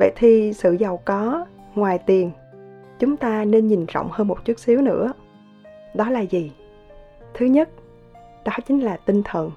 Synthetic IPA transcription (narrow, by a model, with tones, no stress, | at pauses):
və̰˧˨jt̪ʰi˨˩sɨ̰˧˨za˨˩wkɔ˨˦ | ŋwaː˨˩jt̪i˨˩ən | t͡ɕʊ˨˦ŋ͡mt̪aː˧ne˧nɲi˨˩nzɔ̰˧˨wŋ͡mhəː˧nmo˨˩t̚t͡ɕu˦˥ət̚si˨˦wnɨ̰˧˥ə | ɗɔ˨˦laː˨˩zi˨˩ | t̪ʰɨ˨˦ɲə˦˥t̚ | ɗɔ˨˦t͡ɕï˨˦ŋ̟laː˨˩t̪ï˧ŋ̟t̪ʰə˨˩n